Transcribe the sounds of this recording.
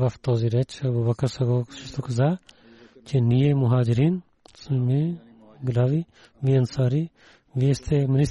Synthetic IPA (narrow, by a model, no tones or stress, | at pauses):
ʋɐft̪oːziɾet͡ʃʰɐbubɐkːɐsɐɡoʃist̪okɐzaː | t͡ʃʰenijemʊɦaːd͡ʒɾiːn | smẽ | ɡɪlaːʋi | ʋiɐnsaːɾi | ʋiest̪ʰemɪnis